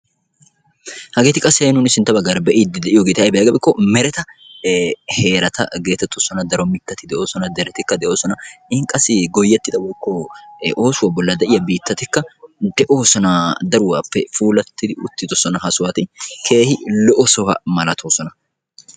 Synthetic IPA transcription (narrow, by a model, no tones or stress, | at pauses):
hɐɡeːt̪ɪkʼɐseːnʊnɪsɪnt̪ːɐbɐɡaɾɐbɛʔid̪ːɪd̪ɛʔɪjɔɡeːt̪ɐjbɛjaːɡɐbɛkːɔmɛɾɛt̪ɐ | he̞ːɾɐt̪ʰɐ̰ɡe̞ːt̪ɛt̪ːʊsɔnɐd̪ɐɾɔmɪkːɐt̪ɪd̪ɛʔo̞ːsɔnɐd̪ɛɾɛt̪ɪkːɐd̪ɛʔo̞ːsɔnɐɪhɪŋkʼɐsːɪɡɔjːɛt̪ːɪd̪ɐwɔjkːɔʔoːsʊwabɔlːɐd̪ɛʔɪjɐbiːt̪ːɐt̪ɪkːɐd̪ɛʔo̞ːsɔnɐd̪ɐɾʊwa̰ːpːɛfuːlɐt̪ːɪd̪ɪʊt̪ːɪt̪ɔsɔnɐhɐsʊwɐt̪ɪkʰe̞ːhɪlɔʔɔsɔwɐ̰mɐlɐt̪ʰoːsɔnɐ